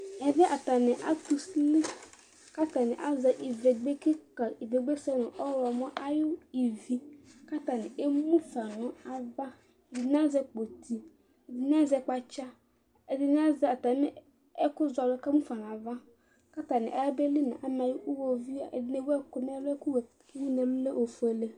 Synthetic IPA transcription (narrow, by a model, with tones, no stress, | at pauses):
ɛ˨vɛ˦ʔa˨ta˨nɪ˨ʔa̰˦tu˨sli˦ | ka˦ta˨nɪ˨ʔa˦za˨ʔi˨ve˨ɡ͡be˦ki˦ka˨i˨ve˨ɡ͡be˦sɛ˦nʊ˨ʔɔ˦ɾɔ˨mɔ˦ʔa˦jʊ˦i˨vi˨ka˦ta˨nɪ˨e˦mu˦fa˨nʊ̃˨a˨va˦ | ɛ˨dɪ˨n˦a˦zɛ˦k͡po˨tʰi˨ | ɛ˨dɪ˨n˦a˦zɛ˨k͡pa˨t͡ʃa˦ | ɛ˨dɪ˦n˦a˦zɛ˨a˨ta˨˦m˦ | ɛ˦kʊ˦za˨lʊ˦ka˦mu˦fa˨n˨a˨va˦ | ka˦ta˨nɪ̰̃˨ʔa˨ja˦be˦li˦nã̰˨ʔa˨m˨a˨jʊ˦ʔu˦wo˨vi˦a˨ɛ̰˨dɪ˦ne˦wɛ˦kʊ˨m˦a˦lɛ˦kʊ˦w | mu˦nɛ˨m̩˦le˦ʔo˨fu˨e˨le˦